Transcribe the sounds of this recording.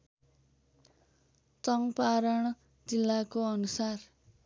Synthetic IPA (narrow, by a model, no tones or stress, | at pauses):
t͡sʌŋpaɾʌɳ̃ | d͡zilːakoʌnusar